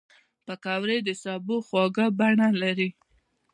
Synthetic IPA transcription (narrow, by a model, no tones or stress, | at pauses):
pəkɑwɾed̪əsɑboxwɑɡabaɳalaɾi